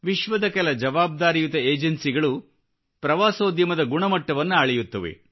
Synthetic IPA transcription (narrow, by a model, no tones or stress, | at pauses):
ʋiʃʋɐd̪ɐkɛlɐd͡ʒɐʋaːb̚d̪aːɾijut̪ɐeːd͡ʒɐnsiɡɐɭu | pɾɐʋaːsoːd̪jɐmɐd̪ɐɡuɳɐmɐʈːɐʋɐnːuaːɭɛjut̪ːɐʋḛ